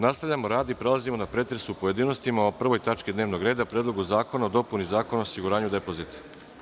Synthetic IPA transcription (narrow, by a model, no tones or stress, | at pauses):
nast̪aʋʎʲamo̞ɾaːd̪ipɾe̞lˠazimo̞napɾe̞ːt̪ɾesuːpo̞jed̪iːno̞st̪imaopr̩ʋo̞jt̪at͡ʃkid̪ne̞ːʋno̞ɡɾe̞ːd̪apɾeːd̪lˠo̞ɡuzaːko̞naod̪o̞punizaːko̞noosiɡuɾaːɲud̪e̞po̞zit̪ḁ